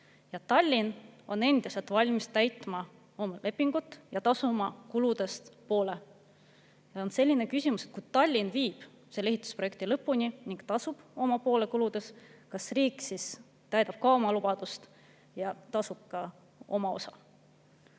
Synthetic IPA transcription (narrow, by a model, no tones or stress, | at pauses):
jɑt̪ɑlʲːino̞ne̞nd̪̥iselt̪ˑvɑlʲmist̪æjt̪mɑ | o̞mɑlʔe̞pːiŋɡ̥ut̪ːˑjɑt̪ɑsumɑkulud̪̥e̞st̪po̞ːle̞ | jɑonse̞lʲːinekysʲimuse̞t̪ku̥t̪ɑlʲːinviːb̥ | seleeɦit̪ːˑu̥sproek̚t̪ilɤpːˑunʲiniŋɡ̥t̪ɑsub̥o̞mɑpo̞ːle̞kulud̪̥e̞skɑsriːkˑsis | t̪æjd̪ɑb̥̚kɑomɑlub̥ɑd̪̥ust̪ | jɑt̪ɑsub̥̚kɑ | o̞mɑo̞̰sɑ